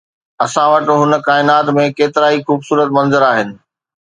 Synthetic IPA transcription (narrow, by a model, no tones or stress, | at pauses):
ɐsãʋɐʈ̆ɦʊnə̆kaːɪnaːt̪mẽkeːt̪ɪɾaːixuːbsuːɾət̪mɐ̃nzəɾaːɦɪnɪ̆